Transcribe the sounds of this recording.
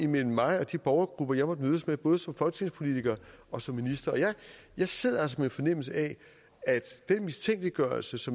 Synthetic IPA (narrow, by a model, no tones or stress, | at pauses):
imel̰m̩ːɑ̈ɪɒ̽d̥ib̥ɒʊɐɡ̥ʁub̥ɐjɑɪmɒ̽d̥møðˠəsmeb̥ɔ̽ːð̞ˠəsɒ̽mfɒ̽lɡ̥t͡sʰe̝ŋspʰo̝lit͡sʰiɡ̥ɐɒ̽sɒ̽mːinisd̥ɐɒ̽jɑ̈ɪ | jɑ̈ɪse̝ð̰ˠɐæsɒmenfɒ̽nem̰l̩səɛ | æd̥d̥enmist͡sʰeŋ̰ɡ̥liɡ̥ɶɐlsəsɒ̽m